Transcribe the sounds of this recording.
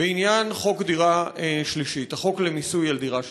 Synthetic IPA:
beinjanχo̞kd̪iʁaeʃliʃit̪haχo̞klemisujald̪iʁa

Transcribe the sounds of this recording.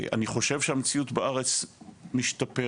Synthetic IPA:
a̰niχo̞ʃe̞vʃeamet͡siutbaaʁet͡smiʃtape

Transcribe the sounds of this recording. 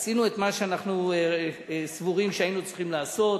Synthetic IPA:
sinue̞t̪maʃeanaχnu | svuʁimʃeainut͡siχimlaːso̞t

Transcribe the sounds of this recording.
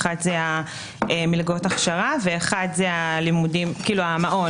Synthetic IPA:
χadzea | emilɡotaχʃaʁaveːχadzealimudimkiːluamaʔo

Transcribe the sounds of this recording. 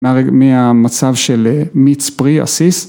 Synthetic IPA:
eaʁemiamat͡savʃelemit͡spʁia̰sis

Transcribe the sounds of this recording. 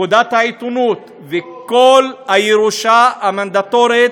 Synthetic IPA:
od̪at̪hait̪unut̪ | veko̞lajeʁuʃaamand̪at̪o̞ʁet̪

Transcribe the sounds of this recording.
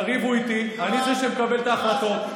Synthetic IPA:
ʁivuit̪i | anizeʃemekabe̞lt̪aːχlat̪o̞

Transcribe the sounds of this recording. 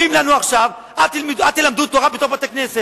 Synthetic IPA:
imlanuaχʃav | ailmid̪at̪elamd̪ut̪oʁabet̪o̞bat̪aknese

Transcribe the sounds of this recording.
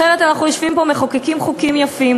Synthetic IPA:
eʁet̪anaχnujoʃvimpo̞meχokekimχukimjafim

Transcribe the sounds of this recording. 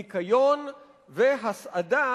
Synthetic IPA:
ikajon | veɦasʔada

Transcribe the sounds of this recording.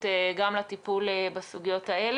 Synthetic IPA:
eɡamlat̪ipulebasuɡijo̞t̪ael

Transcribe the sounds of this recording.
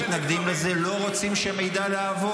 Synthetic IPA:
t̪naɡd̪imlezelo̞ʁot͡simʃeme̞jd̪alaavo

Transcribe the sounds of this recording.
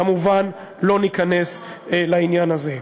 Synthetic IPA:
amuvan | lo̞nikane̞s | lainjanaze̞

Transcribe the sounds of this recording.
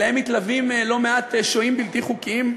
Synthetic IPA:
ahemːit̪lavimelo̞meat̪eʃoimbilt̪iχukim

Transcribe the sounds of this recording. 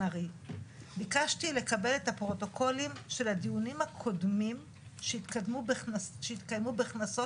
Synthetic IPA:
aʁi | bikaʃtile̞kabe̞lethapʁo̞to̞kʰo̞limʃe̞ladijunimhakʰo̞dmim | ʃtdmuʃeitkajmubeχnaso

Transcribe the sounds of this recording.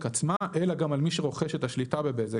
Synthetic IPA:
kat͡smaʔelaɡamalmiʃeʁo̞χeʃet̪aʃlitabe̞beze

